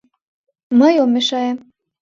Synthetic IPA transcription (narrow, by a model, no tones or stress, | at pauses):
məjomeʃɑem